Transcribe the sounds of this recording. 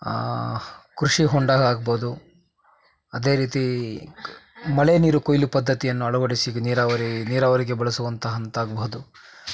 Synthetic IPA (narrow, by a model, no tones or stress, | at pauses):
kɾuʂiɦɔɳɖaːɡaːɡɐbɐɦud̪u | ɐd̪e̞ːɾiːt̪i | mɐɭeniːɾukojlupɐd̪ʱːɐt̪ijɐnːuɐɭɐʋɐɽisiɡniːɾaːʋɐɾiniːɾaːʋɐɾiɡe̞bɐɭɐsuʋɐnt̪ɐɦɐnt̪aːɡɐbɐɦud̪u